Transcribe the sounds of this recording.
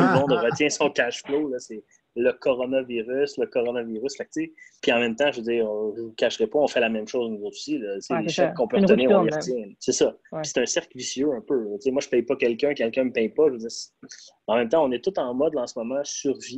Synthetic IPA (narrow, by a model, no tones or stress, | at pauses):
t̪ulmɔ̃d̪ʁət͡sjɛ̃sɔ̃kʲaʃflolʌsɛ | ləkɔʁɔnaviʁysləkɔʁɔnaviʁysfak̚t͡sepiɑ̃mɛ̃mt̪ãʒvød͡ziːʁvvukaʃʁepɔɔ̃fɛlamɛ̃mʃozunuzot̪zu̥silɔt͡seleʃɛkkɔ̃pøʁənɪːʁɔ̃liʁət͡sjɛ̃sesɔpi̥se̥t̪œ̃sɛʁklvisjøœ̃pøt͡semwaʒəpɛjpɔkʲɛlkʲœ̃kʲɛlkʲœ̃məpɛ̃jpɔʒvød͡ziːʁs | ɑ̃mɛ̃mt̪ãɔ̃nɛt̪ʊt̪ɑ̃mɔd̪ɑ̃səmɔmɑ̃syʁvi